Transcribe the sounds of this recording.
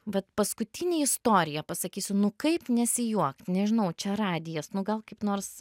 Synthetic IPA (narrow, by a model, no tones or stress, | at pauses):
ʋɐt̪pɐskʊt̪ʲɪnʲeːɪst̪oːɾʲɪjɛpɐsɐkʲiːsʲʊnʊkɐɪpnʲɛsʲɪjuɔkt̪ʲnʲɛʒʲɪnɐʊt͡ʃʲɛɾɑːd̪ʲɪjɛsnʊɡɐlˠkɐɪpnoːrs